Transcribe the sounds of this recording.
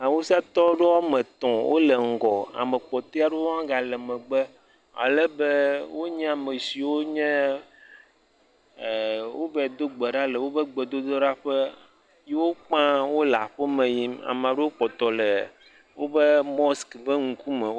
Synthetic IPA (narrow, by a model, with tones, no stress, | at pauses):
a˨wu˦sa˦t̪ɔ˦ɖe˦wa˦mẽ˨t̪ɔ̃˨wʔo̰˦le˨ŋ̩˨ɡɔ˨a̰˨me˨k͡pɔ˨t̪e˦a˦ɖe˦wo˦ã˦ɡa˨lɛ˨mẽ˨ɡ͡bɛ˦ | a̰˨le˦be˦wo˦ɲẽ˦a˨me˨si˨wo˦ɲɛ̃˦˨ | wo˦bɛ˨d̪o˦ɡ͡be˨ɖa˦le˨wo˦bə˦ɡ͡be˨d̪o˦d̪o˦ɖa˦ɸe˦ | je˦wo˦k͡pã˦wo˦la˨ɸe˦mẽ˨ji˦ma̰˨m˨a˨ɖe˦wo˦k͡pɔ˨t̪ɔ˨le˨ | wo˦be˦mɔ˦skbe˦ŋ̩˨ku˦mɛ˨